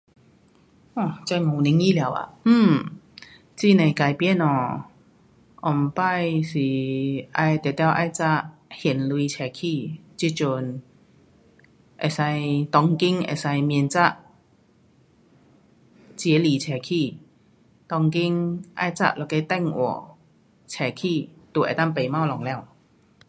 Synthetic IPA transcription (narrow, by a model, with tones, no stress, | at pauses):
ɔ˧˩t͡sa˧˩ŋɔ̃˨˩ni˧˦ŋi˦˥˩la˨˧˦wa̰˨m̩ː˥˩m | t͡ɕi˥˧˨nẽ˨˩ka˧˩jpji˧˥˧nɔ˧˩ | ʔɔ˨˩m˨pa˥˧jsi˨˩ʔa˧jt̪ɛ˨˩t̪jwʔa˧jt͡sa˥˧˩ʔhi˨˩nli˧t͡ɕʰɛ˨˩kʰi˧t͡ɕi˧˥t͡ɕu˧n | ʔɛ˨˩sa˧jt̪ɔ˧ŋki˦˥ŋʔɛ̰˧˩sa˧jmi˧nt͡sa˥˩ʔ | t͡ɕjɛ˨˦li˨˩t͡ɕʰɛː˨˩kʰi˥˧˩ | t̪ɔ˧ŋki˦ŋʔa̰˧jt͡sa̰˧ʔ̚lɔ˧˩ke˧˩t̪ɛ˥˩ŋʔwɔ̰˨˧˩ | t͡ɕʰɛː˨˧˩kʰiː˥˧˨t̪u˧˩ʔɛ̰˨˩t̪a˥˩ŋpe˨˩jma˥˨wlɔ˨˧˩ŋlɛ˧˩˨w